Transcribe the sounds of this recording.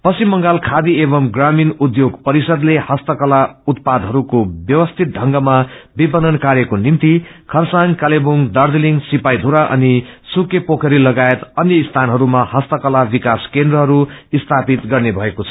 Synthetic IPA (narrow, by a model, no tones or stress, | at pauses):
pʌsimːʌŋɡalkʰad̪iebʌmɡraminud̪joɡpʌɾisʌd̪lehʌst̪ʌkʌlaut̪̚pad̪ɦʌɾukobjʌwʌst̪ʰit̪̚ɖʱʌŋɡʌmabipʌnʌnkaɾjʌkonimt̪ikʰʌrsaŋkalebuŋd̪ʌrd̪iliŋsipajd̪ʱuɾaʔʌ̰nisukepokʰʌɾilʌɡaet̪ʌnjʌist̪ʰanɦʌɾumahʌst̪ʌkʌlabikaskend̪rʌɦʌɾuist̪ʰapit̪ɡʌrnebʱʌekot͡sʰʌ̥